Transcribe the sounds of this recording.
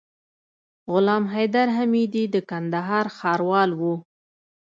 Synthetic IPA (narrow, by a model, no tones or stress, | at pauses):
ɣʊlɑmɦajd̪aɾɦamid̪id̪əkand̪aɦɑɾxɑɾwɑlwu